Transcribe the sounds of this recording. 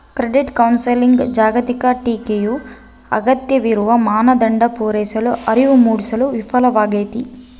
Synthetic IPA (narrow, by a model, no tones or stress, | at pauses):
kɾeɖiʈkɐwnsɐliŋɡd͡ʒaːɡɐt̪ikɐʈiːkeju | ɐ̰ɡɐt̪jɐʋiɾuʋɐmaːnɐd̪ɐɳɖɐpuːɾɛːsɐluʔɐɾiʋumuːɽisɐluʋifʰɐlɐʋaːɡeːt̪i